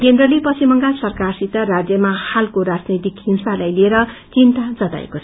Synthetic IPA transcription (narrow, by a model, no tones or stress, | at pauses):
kend̪rʌlipʌsimʌŋɡasʌrkarsit̪arad͡zjʌmahalkoɾad͡znit̪ikɦimsalajlieɾʌt͡sint̪ad͡zʌt̪a̰ḛko